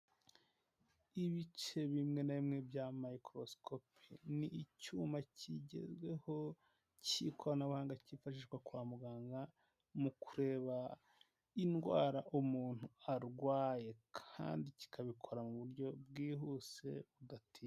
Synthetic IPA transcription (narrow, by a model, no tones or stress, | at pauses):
iβit͡ʃe̞βimŋe̞naβimŋe̞bjamaikɾo̞skʰopiniːcuːmaciɟe̞̰zɡwe̞ho̞ | ciːkʰo̞ɾanaβuhaːŋɡacifaʃiːʃwakwaːmuɡaːŋɡa | mukʰuɾe̞ːβa | inɡwa̰ːɾaʔumuːn̥huaɾɡwaːje̞kʰa̰ːndici̥kʰaβikʰo̞ɾamuβuɾɟo̞bɡiːɦuse̞βudatʰiː